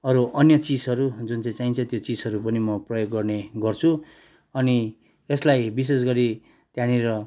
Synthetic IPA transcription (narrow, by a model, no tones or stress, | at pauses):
ʌɾuʔʌnjʌt͡sid͡zʌɾud͡zunt͡saĩt͡saint͡sʰʌt̪jot͡sid͡zʌɾupʌnimʌprʌjoɡːʌrneɡʌrt͡sʰu | ʌni | eslajbis̬es̬ɡʌɾi | t̪jãniɾʌ